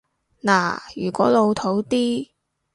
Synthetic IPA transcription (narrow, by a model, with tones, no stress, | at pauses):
la̰ː˨˩jy̰ː˨˩kʷɔː˨˥lo˨˧wt̪ʰo˨˥wt̪iː˥